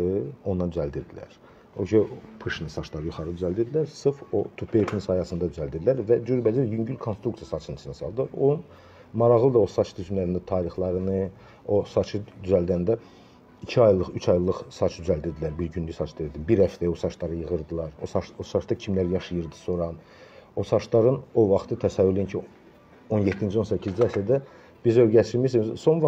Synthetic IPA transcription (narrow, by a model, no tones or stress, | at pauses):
ɯond̪ɑnd̪yzæld̪iɾd̪ilæ̰ɾ | oʃʰipʰɯʃɯnɯsɑt͡ʃlˠɑɾɯjuχɑɾɯd̪yzæld̪iɾd̪ilæɾsɯfo̞t̪ʰupʰep̪ʰinsɑjɑsɯnd̪ɑd̪yzælʲd̪id̪ilʲæɾvæd͡ʒyɾbæd͡ʒiɾjyɲɟylʲkʰonst̪ɾukt̪ijɑsɑt͡ʃʰɯnɯ̥snɯsɑlˠd̪ɯlˠɑɾo̰nun | mɑɾɑʁlˠɯd̪ɑosɑt͡ʃʰd̪ʰyzmlæɾind̪æt̪ʰɑːɾiχlˠɑɾɯnɯ | o̞sɑt͡ʃʰɯd̪yzæld̪ænd̪æ | icʰiɑjlˠɯʁyt͡ʃʰɑjlˠɯχsɑt͡ʃʰd̪yzæld̪id̪ilæɾbiɾɟynlysɑt͡ʃʰd̪ɯjɯɾd̪ɯbiɾhæft̪æosɑt͡ʃlɑɾɯjɯʁɯɾd̪ɯlˠɑɾosɑt͡ʃosɑt͡ʃd̪ɑcʰimlæɾjɑʃɯjɯɾd̪ɯ̥so̞ɾɑn | osɑt͡ʃlˠɑɾɯno̞vɑχt̪ʰɯt̪ʰæsævylijincʰi | onjet̪ʰːind͡ʒio̞nsæcʰːizd͡ʒiæft̪æd̪æ | b̥izøɾɟæt͡ʃ̪iɾmiʃimzso̞nvɑ